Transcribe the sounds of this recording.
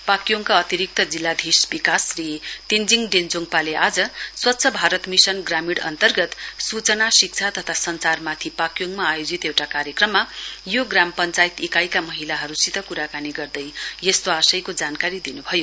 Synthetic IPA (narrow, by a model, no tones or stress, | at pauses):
pakjoŋkaʌt̪iɾik̚t̪ʌd͡zilːad̪ʱisbikasrit̪ind͡ziŋɖend͡zoŋpaleʔad͡zʌswʌtːsʰʌbʱaɾʌt̪misʌnɡramiɽʌ̰nt̪ʌrɡʌt̪sut͡sʌnasik̚t͡sʰat̪ʌt̪ʰasʌnsarmat̪ʰipakjoŋmaːjod͡zit̪ewʈakaɾjʌkrʌmːajoɡrampʌnt͡sajit̪ekajkamʌɦilaɦʌɾusit̪ʌkuɾakaniɡʌrd̪ʌjjʌst̪oasʌjkod͡zankaɾid̪inubʱʌjo